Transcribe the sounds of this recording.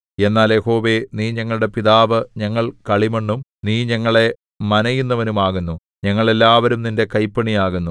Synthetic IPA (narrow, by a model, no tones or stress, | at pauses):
e̞nːaːljeho̞ːʋe̞niːɲɐŋːɐɭuɽe̞piðaːʋɨɲɐŋːɐɭkɐɭimeɳːumniːɲɐŋːɐɭe̞ | mɐnɐjunːɐʋɐnumaːɣunːu | ɲɐŋːɐɭe̞lːaːʋɐɾumninde̞kɐjpːɐɳijaːɣunːu